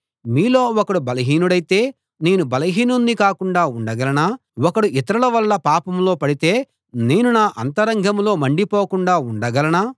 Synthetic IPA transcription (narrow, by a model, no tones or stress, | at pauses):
miːlo̞ːɔkɐɽubɐlɐɦiːnuɽɐjt̪e̞ː | ne̞ːnubɐlɐɦiːnunːikaːkuɳɖaːuɳɖɐɡɐlɐnaː | ɔkɐɽuʔit̪ɐɾɐlɐʋɐlːɐpaːpɐmlo̞ːpɐɽit̪e̞ː | ne̞ːnunaːʔɐnt̪ɐɾɐŋɡʱɐmlo̞ːmɐɳɖipoːkuɳɖaːuɳɖɐɡɐlɐnaː